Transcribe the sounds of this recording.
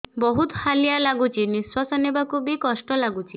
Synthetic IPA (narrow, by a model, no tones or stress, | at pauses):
bɔɦut̪halijalaɡut͡ʃʰiniswasɔnebakʰubikɔsʈɔlaɡut͡ʃʰi